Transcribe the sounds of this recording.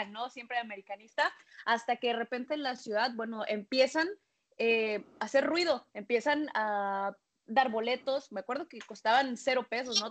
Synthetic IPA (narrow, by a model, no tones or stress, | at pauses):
no̞sje̞mpɾeame̞ɾikanist̪aast̪ake̞ðe̞re̞pe̞nt̪e̞ːnlasjuðaðbwe̞no̞ʔe̞mpje̞san | ease̞ɾrwið̞o̞e̞mpje̞sana | d̪aɾβo̞le̞t̪o̞smeakwe̞ɾð̞o̞keko̞st̪aβanse̞ɾo̞pe̞so̞sno